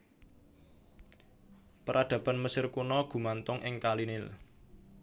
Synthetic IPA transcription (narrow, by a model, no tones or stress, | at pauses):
pəɾʔad̪̥ä̤b̥a̤nməsɪrkunɔɡ̥ṳmant̪ʊŋʔɪŋkalinɪl